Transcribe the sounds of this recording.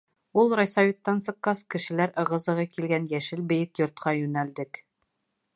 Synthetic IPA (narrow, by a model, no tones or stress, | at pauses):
ulˠɾɒjsɑvʲit̪ːɑnsɤ̆qːɑskɘ̆ʃɘ̆læɾɤ̆ʁɤ̆zɤ̆ʁɤkilɡænjæʃɘlbɘ̆jɘkjŏɾt̪̚qɑjʉnæld̪ɘk